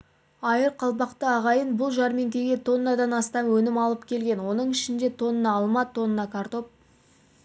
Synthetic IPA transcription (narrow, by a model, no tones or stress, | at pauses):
ɑjəɾqʰɑlˠpɑqt̪əɑʁɑjənbʊlˠʒɑɾme̞ŋkʲe̞ɡʲe̞t̪ʰo̞nːɑd̪ɑnɑst̪ɑmwɵnɪmɑlˠəpkʲʰe̞lɡʲe̞nwo̞nəɴɪʃɪnd̪e̞t̪ʰo̞nənɑːlˠmɑt̪ʰːo̞nənːɑkʰaɾt̪o̞p̚